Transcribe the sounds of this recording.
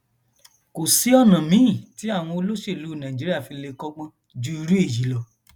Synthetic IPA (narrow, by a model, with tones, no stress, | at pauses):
ko˨si˨˦ɔ˦˨nã˨mĩ˨˦˨ti˨˦a˦˨w̃ɔ̃˧o˧lo˦ʃe˦˨lu˨˦˨nã˨d͡ʒi˨˦ɾi˦a˦˨fi˧le˧kɔ˦ɡ͡bã˦ | d͡ʒu˧˦i˧ɾu˦e˦˨ji˨˦lɔ˧